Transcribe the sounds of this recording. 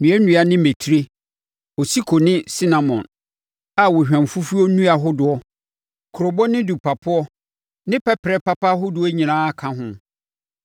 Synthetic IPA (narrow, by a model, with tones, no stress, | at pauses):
nũ˨˦ɛ˦nũ˨˦a˨nɪ̃˦me˨tʰi˦ɾe˦ | ɔ˨si˦kʰo˨nɪ̃˦si˦nã˨mɔ̰̃˨n | a˨wʊ˨ɕᶣɛ̃˨m˨fu˦fu˦ɔ˦nũ˦a˨ɦʊ˦dʊ˨ɔ˦ | kʰʊ˨ɾo˨bɔ˦nɪ̃˦du˨pʰa˨pʰʊ˦ɔ˦ | nɪ̃˦pʰɛ˦pʰɾɛ˦pa˦pa˦ɦʊ˦dʊ˨ɔ˦ɲĩ˨nãː˦a˨kʰã˦ɦʊ̃˦